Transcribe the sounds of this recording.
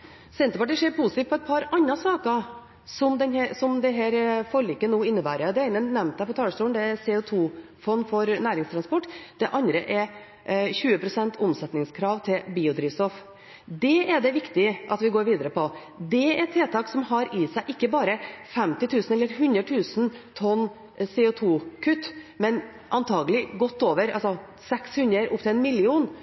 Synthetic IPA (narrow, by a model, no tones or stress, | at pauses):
sɛnt̪əɾpɑʈiːʂeːɾpʰʊsɪt̪iːt̪pʰɔɛt̪̚pʰɑɾɑnːɑsɑːkə | sɔmd̪ɛnɦɛsɔmd̪ɛɦæːɾfɔɾɭiːkːənuːɪnːəbæːɾəd̪ɛeɪnənɛmnt̪̚æɪpʰɔt̪ʰɑːləʂt̪uːəɳd̪ɛæɾsɛʊt̪ʰuː | fɔnːfɔɾnæːɾɪŋst̪ʰɾɑnspɔʈːd̪̥ɛʔɑnd̪ɾəʔɛ | çʉːəpɾʊsɛnt̪ʰʊmsɛt̪nɪŋskʰɾɑːʋt̪ʰɪlbiːʊd̪ɾiːʋst̪ɔf | d̪ɛɛd̪ɛʋɪkt̪ɪʔɑt̪ʋɪɡoːɾʋiːd̪əɾəpʰɔ | d̪ɛɛt̪ʰːeːt̪ʰɑːksɔmɦɑɾɪsæɪʔɪkːəbɑːɾəfɛmt̪ɪt̪ʰʉːsn̩ɛlːəɾɦʉnəʈʰʉːsn̩t̪ʰɔnː | sɛʊt̪ʰuːkʰʉt̪ːmɛn | ʔɑnt̪ʰɑːɡəlɪɡɔt̪ːoːʋəɾɑ̰lsɔ | sɛkshʉnəɾʊ̰pt̪ʰɪlɛnmɪlɪuːn